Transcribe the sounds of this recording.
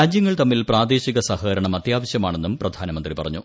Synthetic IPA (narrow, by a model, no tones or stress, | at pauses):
ɾaːd͡ʑjɐŋːɐɭt̪ɐmːilpraːd̪eːɕiɣɐsɐhɐɣɐɾɐɳɐmɐt̪jaːʋɐɕjɐmaːɳe̞nːumprɐd̪ʱaːnɐmɐnd̪ripɐrɐɲːu